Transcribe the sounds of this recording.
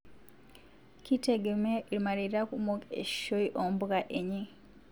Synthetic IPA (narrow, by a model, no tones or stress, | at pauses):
kiteɡemeːɾimaliɾiɾakumukḛʃi̥ʃoiʔombuɣaʔeɲi